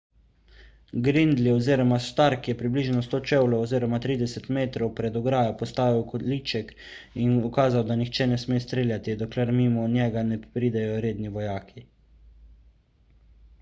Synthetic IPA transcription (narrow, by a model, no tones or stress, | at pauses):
ɡɾind̪lioziːɾɔmast̪aɾkjɛpɾibliːʒnɔst̪oːt͡ʃɛwlɔwɔziːɾɔmat̪ɾiːd̪ɛsɛt̪meːt̪ɾɔwpɾɛd̪ɔɡɾaːjapɔst̪aːʋiwkɔd̪lit͡ʃɛk | inukaːzawd̪anixt͡ʃɛnɛsmeːst̪ɾeːljat̪id̪ɔklɛɾmimɔnjɛɡanɛpɾiːd̪ɛjɔɾeːd̪niʋɔjaːkʰi